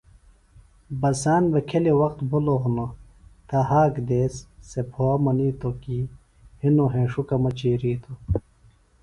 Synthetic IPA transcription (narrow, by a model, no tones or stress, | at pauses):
bɐsaːnbɐkʰelewɐqt̪buloɦuno | t̪aɦaːkd̪eːsːepʰoɐmɐniːt̪oki | hinoɦẽːʂukamɐt͡ɕiːɾiːt̪ʰo